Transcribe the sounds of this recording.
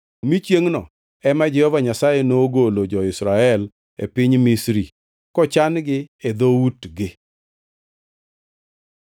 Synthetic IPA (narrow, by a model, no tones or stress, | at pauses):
mit͡ʃjeŋnɔ̰ | ɛmad͡ʒɛɔvaɲasajenoɡolod͡ʒɔɪsɾaɛl | ḛpɪɲmisɾi | kɔt͡ʃanɡɪed̪outɡɪ